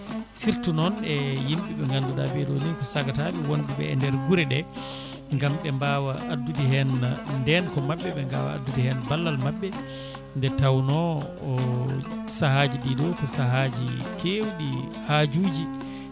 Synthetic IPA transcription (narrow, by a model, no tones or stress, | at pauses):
siɾtunɔnɛjimɓiɓɛŋɡanduɗa̰beɗɔninkɔsaɡataɓɛwondiɓɛ̰ːndɛɾɡuɾɛɗɛ | ŋɡamɓɛmbawaʔːdːudiɦɛnndɛnkɔmaɓːɛɓɛŋɡa̰wa̰a̰dːudihɛnbalːalmabːɛ | ndɛtawnɔː | sahaːd͡ʒiɗidɔkɔsaɦad͡ʒḭkʰewɗi | had͡ʒuːd͡ʒi